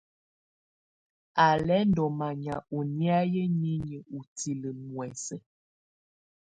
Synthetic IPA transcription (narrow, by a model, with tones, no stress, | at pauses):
a˨lɛ˨˦n̩˦dɔ˨ma˨ɲa̰˨u˨ni˦a˦jə˦ɲi˦ɲə˨u˨ti˨lə˨mwɛ˨sə˦